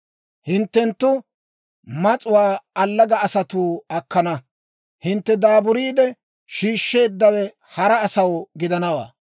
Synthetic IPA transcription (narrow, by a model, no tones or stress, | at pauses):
hɪnt̪ːɛnt̪ːʊ | mɐt͡sʼʊwaːɐlːɐɡɐːsɐt̪uːɐkːɐnɐ | hɪnt̪ːɛd̪aːbʊɾiːd̪ɛ | ʃiːʃːe̞ːd̪ːɐwɛ | hɐɾɐːsɐwɡɪd̪ɐnɐwa̰ː